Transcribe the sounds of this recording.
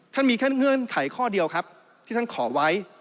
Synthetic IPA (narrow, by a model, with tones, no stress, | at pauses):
t̪ʰa˥˩nmiː˧t̪ʰa˥˩nŋɯ˧˥˩nkʰa˨˩˦jkʰɔː˥˩di˧əwkʰa˦˥p̚ | t̪ʰiː˥˩t̪ʰa˥˩kʰɔː˩˦wa˦˥j